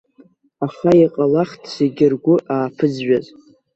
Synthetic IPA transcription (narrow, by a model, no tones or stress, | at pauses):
aχaiqʼalaχtʰseɡʲɪrɡʷʊʔaːpʰɨd͡zɥaz